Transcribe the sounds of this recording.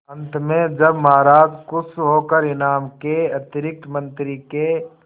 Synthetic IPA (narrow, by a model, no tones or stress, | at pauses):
ə̃nt̪ʰmẽd͡ʒɐbmaɦaɾaːd͡ʒkʊsɦoːkəɾɪnaːmkeɐt̪ɪɾɪk̚t̪mə̃nt̪ɾike